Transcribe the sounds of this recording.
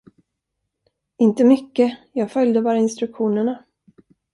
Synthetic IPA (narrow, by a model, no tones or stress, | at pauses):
ɪnt̪əmʏkːəjɑːɡfœljd̪əbɑːɾaɪnst̪ɾɵkɧuːnəɳa